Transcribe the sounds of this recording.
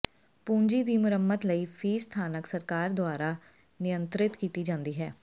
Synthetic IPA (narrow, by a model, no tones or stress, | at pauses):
pũːɲd͡ʒiːd̪iːmʊɾəmːət̪ləiːpʰiːst̪ʰaːnəksəɾkaːɾd̪oaːɾaː | nɪjənt̪ɾɪt̪kiːt̪iːd͡ʒãːnd̪iːɦɛː